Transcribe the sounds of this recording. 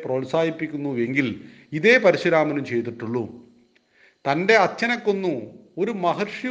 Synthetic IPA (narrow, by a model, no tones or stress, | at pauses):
prɐʋɐlsaːjipːikʲːunːue̞ŋɡil | iðe̞ːpɐɾiɕɐɾaːmɐnumt͡ɕe̞jt̪ːiʈːuɭːu | t̪ɐnde̞ɐt͡ɕːɐnɐkːo̞nːu | o̞ɾumɐɦɐrʂjɐ